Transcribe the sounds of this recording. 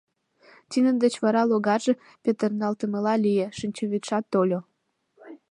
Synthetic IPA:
t̪inə̆nd̪ət͡ɕβɑɾɑloɣɑʒĕ | pʲet̪ərnɑlt̪ə̆mə̆lɑlʲijĕʃinʲt͡ɕoβʲit̪ʃɑt̪ːolʲo

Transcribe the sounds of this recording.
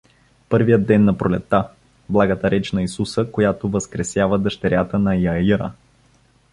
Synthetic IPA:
pɤɾvijəd̪ːɛnːɐpɾolɛt̪ːa | blˠaɡət̪əɾɛt͡ʃnɐisusəkojat̪ovəskɾɛsjavəd̪əʃt̪ɛɾʲjat̪ənɐjɐiɾə̰

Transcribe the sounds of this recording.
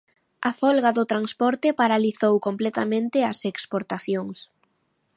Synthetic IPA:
ɐfɔlɣaðʊt̪ɾanspɔɾt̪ɪpaɾaliθowkomplɛt̪amẽnt̪ɪɐsekspoɾt̪aθjoŋs

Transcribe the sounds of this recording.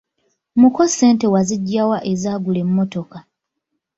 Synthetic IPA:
muko̞sːe̞ːnte̞waziɟːawaʔezaːɡule̞mːo̞to̞ka

